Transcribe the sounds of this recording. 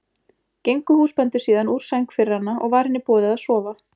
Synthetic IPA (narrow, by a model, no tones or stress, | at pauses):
cejŋkʏhuːspɛnt̪ʏ̥siːðanuːɾ̥sajŋkfɪɾɪhanːaʔɔɣvaɾ̥hɪnːɪpɔːðɪðaðsɔːva